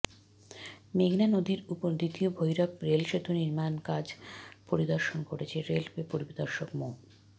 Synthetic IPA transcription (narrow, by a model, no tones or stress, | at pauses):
meɡnanod̪iɾupod̪it̪iobʱojɾakɾelʃet̪uniɾmankad͡ʑpoɾid̪ɔɾʃonkoɾet͡ɕʰeɾelbepoɾibid̪ɔɾʃokmo